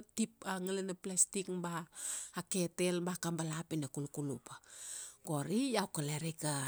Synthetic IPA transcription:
tip̚aŋalanaplastikbaːketelbakambalapinakulukulupaɡoɾijawkaleɾika

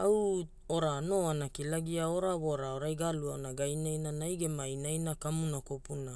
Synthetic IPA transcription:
aw | oɾano̞anakilaɡiaoɾaβoɾaoɾajɡaluaonaɡajnajnanajɡe̞majnajnakamunakopuna

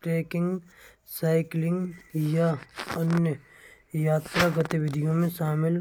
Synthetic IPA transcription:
ʈɾeːkɪ̃ŋɡ | saːɪklɪ̃ŋɡjaɐnjə | jaːt̪ɾaɡət̪iʋɪd̪ʱijõmẽʃaːmɪl

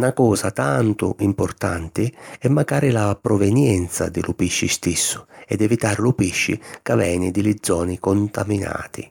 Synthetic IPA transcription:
nakɔːsat̪ant̪ʊ̰impɔrt̪ant̪ɪɛmːaɡaːɾɪlapɾɔvɛnjɛnt̪sa̰d̪ɪlʔʊpiʃːist̪isːʊ̥ɛd̪ɛvit̪aːɾlʊpiʃːɪ̰kavɛːnɪd̪ɪlɪd̪zːɔːnikont̪amina̰ːt̪ɪ

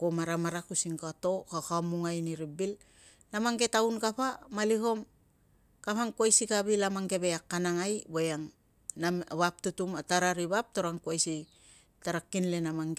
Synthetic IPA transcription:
komaɾamaɾakusiŋkato̞kakamuŋajniɾibil | namaŋɡe̞tawnkapamaliɦo̞m | kapaŋkuajsikaβilamaŋɡe̞βeakːanaŋajbojaŋ | naβap̚tutumataɾaɾiβap̚to̞ɾaŋkuajsi | taɾakːinlenamaŋe

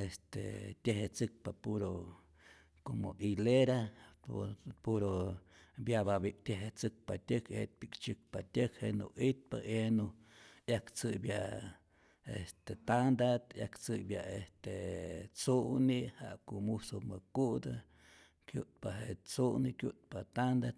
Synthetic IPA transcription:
est̪ḛt̪ʲeɦet͡sɨk̚papuɾo | komoʔileɾa | puɾo | bjababik̚t̪ʲeɦet͡sɨk̚pat̪ʲɨkḛt̪̚pikt͡ʃɨk̚pat̪ʲəkhenṵʔit̪̚pa̰ʔenu | jakt͡sɨbja | est̪et̪and̪at̪ja̰kt͡sɨbjaest̪et͡suʔniha̰ʔkuʔmusomɨkuʔd̪a | kjṵʔt̪̚paɦeʔt͡suʔnikʲjṵʔt̪̚pat̪and̪at̪

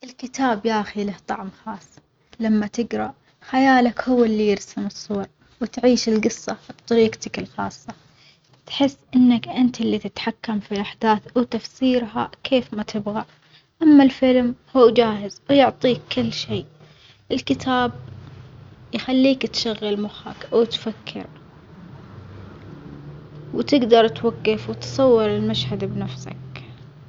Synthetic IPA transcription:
ʔɪlkɪt̪aːbjaːʔxilaht̪ˤɑʕmxɑːsˤː | lamːat̪ɪɡɾˤɑʔ | xajaːlakhʊwːɪlːijɪɾsamɨsˤːuːɑɾˤ | wt̪ʕiːʃɪlɡɨsˤːɑbt̪ˤːɑɾiːɡt̪akɪlxɑːsˤːɑ | t̪ħɪsːʔɪnːakʔɪnt̪ɪlːit̪ɪt̪ħakːamfiʔaħd̪aːθwt̪afsiːɾɦakʰeːfmat̪ʰɪbɣaʕ | ʔamːalfɪlmhuːd͡ʒaːɦɪzwjʊʕt̪ˤiːkːɪlːʃeː | ʔɪlkɪt̪ʰaːb̚ | jxalːiːkt̪ʃaɣːalmʊxa̰kawt̪fakʰːɪ̰ɾ | wt̪ɪɡd̪ɑɾˤt̪waɡːafwt̪sˤɑwːɪɾɪlmaʃhad̪bnafsa̰k

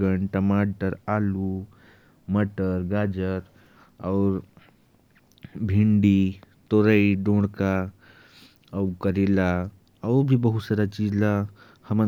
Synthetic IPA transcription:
əɳʈəmaʈəɾalu | məʈəɾɡad͡ʒəɾ | ɔɾ | bʱiɳɖit̪oɾəiɖõɽka | əukəɾela | əʊɾbʱibəɦut̪saɾat͡ʃid͡ʒla | həmə

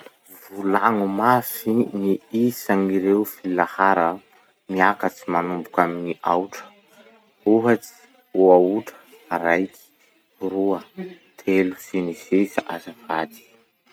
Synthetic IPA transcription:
vulaŋumasiniisaŋiɾewfilahaɾə | miakat͡simanumbukaminiʔawʈ͡ʂə̥ | uɦat͡si̥ | uauʈ͡ʂə̥ | aɾajki̥ | ruə | t̪ʰelusenisesaʔazavad̪i̥

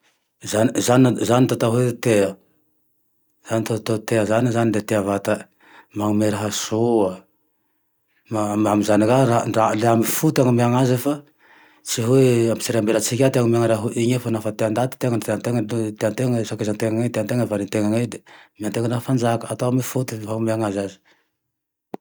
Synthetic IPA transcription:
zanizaninzanit̪at̪aɦet̪eə | z̥anit̪at̪at̪eəzanizanind̪et̪eavat̪ə | maŋumeɾaɦasoa | mamamizanikaraɳɖ͡ʐaleamifut̪aŋumiaŋazefa | t͡siɦueamit͡siɾeambelət͡sikʲat̪eaŋumaŋaɾaɦuʔiɲefanafat̪eand̪at̪i̥t̪eŋənt̪eant̪eŋət̪eant̪eŋfakezant̪eŋaŋat̪eant̪eŋəvaɾint̪eŋaŋed̪emiant̪eŋənafand͡ʒakəat̪oamifut̪iɦaŋumiaŋazazi̥

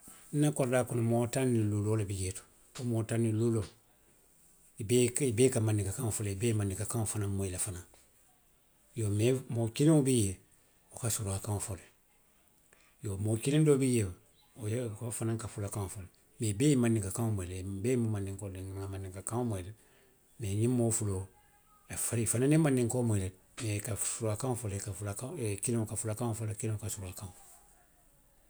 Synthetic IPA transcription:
n̩nːakoɾdaːkunomotaniluloːlabijetu̥ | omoːtanilulo | ibeibeːkamanːiŋkakãŋofoleibeːmanːĩkakãofanãmojilafana | jomemokilĩŋobije | okasuɾoakãŋofole | jomokilĩndobijeː | ojkofanaŋkafulakaŋofole | mebeimandiŋkakaŋomelebemumandiŋkodiŋŋamandiŋkakaŋmele | meɲimːoːfulo | efaɾifananimandiŋkomelet̚ | mekafuɾakaŋfolekafulakakiliŋokafulakaŋofolekiliokasuɾakaŋ

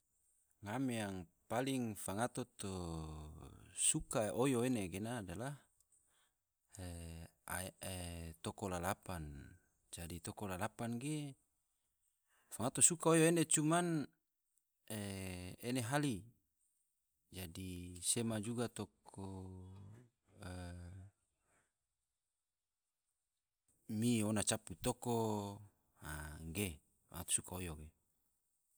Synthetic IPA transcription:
ŋamejaŋpaliŋfaŋat̪ot̪o | sukaojoeneɡenadalah | e | a̰et̪okolalapan | d͡ʒadit̪okolalapanɡe | faŋat̪osukaojoenet͡ʃuman | eeneɦali | d͡ʒadisemad͡ʒuɡat̪okʰo | ə | mionat͡ʃaput̪oko | aɡe | fa̰ŋat̪o̥sukaojoɡe

